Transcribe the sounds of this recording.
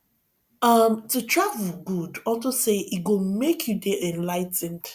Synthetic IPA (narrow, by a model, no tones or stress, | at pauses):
ʌmtutɹavl̩ɡudɔltoseʔiɡomekʰjudeʔɛ̃nlaɪtɪ̃n